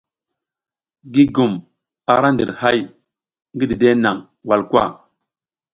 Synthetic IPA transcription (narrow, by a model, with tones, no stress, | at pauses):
ɡi˦ɡu˨m | a˨ɾa˦ndḭ˨ɾha˦j | ŋɡi˦di˨de˦na˨ŋ | wa˨lkwa̰˦˨